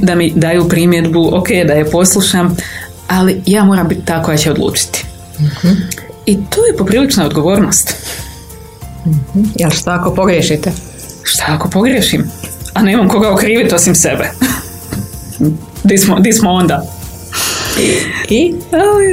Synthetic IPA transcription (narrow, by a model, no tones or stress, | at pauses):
d̪amid̪ajuːpɾimje̞d̪buokeːjd̪ajapo̞slˠuʃam | alijaːmo̞ːɾambit̪t̪aːko̞jat͡ɕeo̞d̪lˠṵːt͡ʃi̥t̪i̥ | hit̪oːje̞po̞pɾiːlit͡ʃnaod̪ɡo̞ʋoːɾno̞ːst̪ | h̩jelʃt̪aakopoɡɾjeʃit̪ɛ | ʃt̪aako̞po̞ɡɾjeʃimaneːmamko̞ɡaokɾiːʋit̪o̞simse̞̰be | d̪ismod̪ismoond̪aː | i